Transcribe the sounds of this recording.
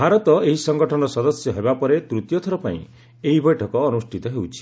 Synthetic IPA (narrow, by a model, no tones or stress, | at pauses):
bʱaɾɔt̪ɔeɦisɔŋɡɔʈʰɔnɔsɔd̪ɔsjɔɦebapɔɾet̪ɾut̪jɔt̪ʰɔɾɔpaḭ̃ | eɦibɔjʈʰɔkɔːnusʈʰit̪ɔɦewt͡ʃʰi̥